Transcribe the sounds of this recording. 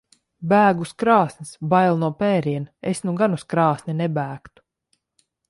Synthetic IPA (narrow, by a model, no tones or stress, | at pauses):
bæːɡuskɾɑːsnʲisbajlˠnuɔpɛːɾiɛnesnuɡanuskɾɑːsnʲinɛbæːkt̪u̥